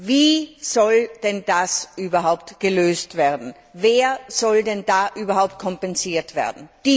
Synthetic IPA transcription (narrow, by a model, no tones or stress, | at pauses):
viːzɔld̥ɛndasʔyːbɐɦaʊptɡ̥əløːstv̥eːɐdn̩ | veːɐz̥ɔldɛndaːʔyːbɐhaʊp̚t̚kʰɔmpɛnziːɐtv̥ḛːɐdn̩d̥i